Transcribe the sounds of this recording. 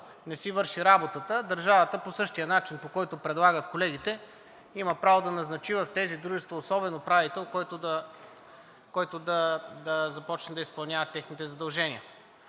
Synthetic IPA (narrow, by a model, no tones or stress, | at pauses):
nɛsivɤɾʃiɾabot̪ət̪əd̪ɐɾʒavət̪əposɤʃt̪ijənat͡ʃinpokɔjt̪opɾɛd̪lˠaɡət̪kolɛɡ̟it̪ɛ | imɐpɾavod̪ɐnɐznɐt͡ʃivəft̪ɛzid̪ɾuʒɛst̪voːsɔbɛnopɾavit̪ɛlˠkɔjt̪od̪ɐ | kɔjt̪ʊd̪ɐd̪ɐzɐpɔt͡ʃnɛd̪ɐispɐlˠnʲjavɐt̪ːɛxnit̪ɛzɐd̪ɐlˠʒɛniə